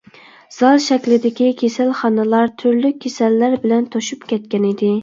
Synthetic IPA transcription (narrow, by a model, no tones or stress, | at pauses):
z̥ɑlˠʃɛkʲlɪd̪ɪkʲikʲʰesælχɑnɨlˠɑɾt̪ʰyɾlyk̚ʲʰːesælːæɾbɪlɛnt̪ʰoʃupkʲʰɛt̪̚kʲɛnɪd̪ɪ